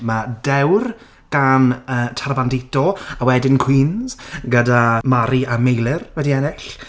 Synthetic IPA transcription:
madɛwr | ɡ̥anəːtʰarbandɪtɔawɛdɪnkʰw̥iːnzɡədamaɾiamejlˠɪrwɛdiɛnɪɬ

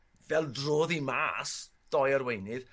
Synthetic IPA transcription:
vɛlˠdroːðima̰ːs | d̥ɔːjəɾwejnɨð̥

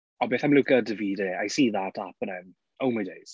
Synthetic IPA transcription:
ɔbeːθaɪmlʊkədəviːdeajsiːðatʰapənɛm | owmajdejz̥

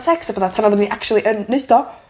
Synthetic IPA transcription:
sɛksəbəːðatʰanaðədniʔakʰt͡ʃulˠiʔənːeɨd̥ɔ

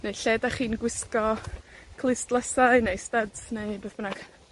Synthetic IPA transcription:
nejɬɛdaχiːnɡwɪskɔkʰlˠɪstlˠəsaɨnejstadsnejbəðbənaɡ̥

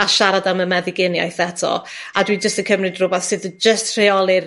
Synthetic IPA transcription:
aʃaɾadaməmɛðɪɡɪnja̰jθɛtʰɔ̰adwid͡ʒəstəkʰəmrɨdrʊbaθsɨðd͡ʒəstʰr̥eɔlˠɨr

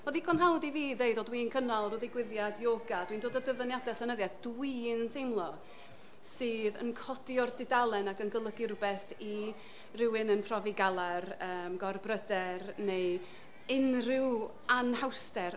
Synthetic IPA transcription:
boðikʰɔnɦawdiviːðeɨdɔdwinkʰənalˠroːðiɡwɪðjadjoːɡad̥windoːdədəvənjadɛtʰɛnəðjaðd̥wintʰejmlˠɔ | sɨːðə̰nkʰɔdiɔrdɪdalˠɛnaɡənɡəlˠəɡɪrbɛθ | i | rɪwɨnənpʰrɔviɡalˠarəːmɡɔrbrədɛrnej | ɪnrɪw | anhawstɛr

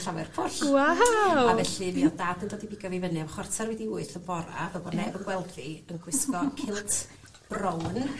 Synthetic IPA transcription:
ɬawɛrpʰʊɬaavɛɬɨniɔdaːdəndɔdibiɡjɔvivənɨamχwɔrtʰarwɛdiuɨθəvɔɾa̰vɛbɔdnɛvənɡ̥wɛlˠθiənɡ̥wɪskɔkʰɪlˠtʰ | b̥rɔwn

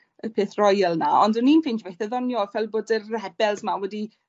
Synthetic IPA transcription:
əpʰeθrɔjəlˠnaɔndəninfɪnd͡ʒbejθəðɔnjɔvɛlˠboːdərɛbɛlˠsmawɛdi

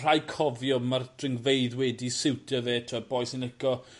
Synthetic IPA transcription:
r̥ajkʰɔvjɔmard̥rɪŋvejðwɛdisɪwtʰəveːtʰabɔjsɪnɪkɔ

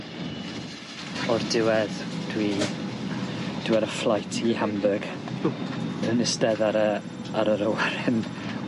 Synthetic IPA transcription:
ɔrdɪwɛðd̥wi | d̥ɪwɛɾəflˠajtʰihambəɡ̥ | ənəstɛðaɾə | aɾəɾəwɛɾɛn

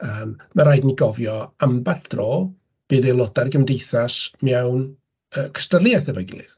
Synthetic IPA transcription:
əːmmaɾaːjdniɡɔvjɔambḁrɔː | b̥ɨːðelˠɔdarɡəmdejθasmjawn | əːkʰə̥starlˠiaθɛvɔɡɪ̰lˠɨ̰ð

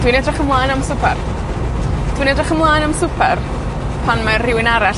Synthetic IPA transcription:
d̥winɛdraχəmlˠaːnamsʊpʰɛr | d̥winɛdraχəmlˠaːnamsʊpʰɛr | pʰanmarrɪwɪnaɾa

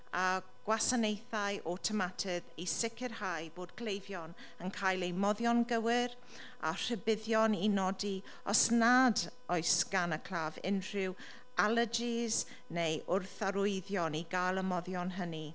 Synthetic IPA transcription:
a | ɡ̥wasanejθajʔɔtʰəmatʰɪðisɪkʰɪrhajboːdɡlejvjɔn | ənkʰajlˠejmɔðjɔnɡəwɪɾ | a̰r̥əbɪðjɔninɔdi | ɔsnad | ɔjsɡ̥anəkʰl̥ˠaːvɪ̰nr̥ɪw | alˠəd͡ʒiz̥ | nejʔʊrθaɾʊɨðjɔniɡalˠəmɔðjɔnɦəni

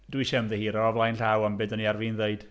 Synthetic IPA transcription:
dwiʃɛmðəhiːɾɔavlˠajnɬawambɨdɔniarvinðeɨd̥

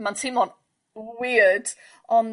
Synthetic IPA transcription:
mantʰɪmɔn | wɪəd | ɔn

